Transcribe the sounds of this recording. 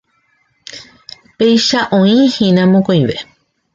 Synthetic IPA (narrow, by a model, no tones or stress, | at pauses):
pejʃaʔõĩhĩnãmõkojʋḛ